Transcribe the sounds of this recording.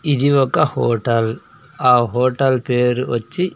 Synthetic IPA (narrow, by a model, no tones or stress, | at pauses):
id͡ʒ̪iʋɔkːɐhoːʈɐl | aːɦoːʈɐlpeːɾɔt͡ʃːi